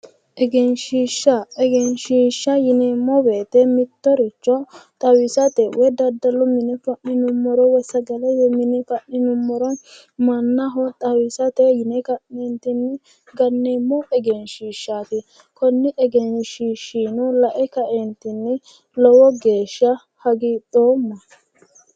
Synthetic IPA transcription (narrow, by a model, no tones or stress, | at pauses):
ʔɛɡɛnʃiːʃːɐɛɡɛnʃiːʃːɐjɪneːmːɔbeːt̪ɛmɪt̪ːɔɾɪt͡ʃːɔt̪ʼɐwɪsɐt̪ɛwɛd̪ɐd̪ːɐlːɔmɪnɛfɐʔnɪnʊmːɔɾɔwɛsɐɡɛlɛɛmɪnɪfɐʔnɪnʊmːɔɾɔn | mɐnːɐɦɔt̪ʼɐwɪsɐt̪ɛjɪnɛkɐʔːɛnt̪ɪnːɛ | ɡɐnːeːmːɔʔɛɡɛnʃiːʃːaːt̪ɪ | kɔnːɪʔɛɡɛnʃiːʃːiːnʊlɐʔɛkɐʔɛnt̪ɪnːɛ | lɔwɔɡe̞ːʃːɐ | hɐɡit̪ʼoːmːɐ